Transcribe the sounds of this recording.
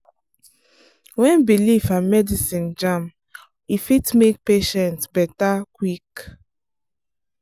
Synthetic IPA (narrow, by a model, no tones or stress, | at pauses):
wɛ̃nbilifãmɛdisĩnd͡ʒãm | ifitmek̚peʃɛ̃ntsbɛtakwik